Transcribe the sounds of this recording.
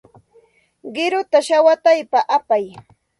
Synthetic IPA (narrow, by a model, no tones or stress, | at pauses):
ɢɪɾʊt̪aʃawat̪ajpaʔapaj